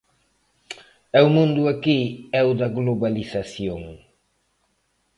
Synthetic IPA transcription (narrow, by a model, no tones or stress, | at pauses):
ɛwmũnd̪uakiɛwd̪ɐɣloβalisasjoŋ